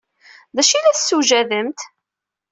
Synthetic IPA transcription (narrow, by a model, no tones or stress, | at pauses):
ðæʃilæθsːuʒæðəmt̪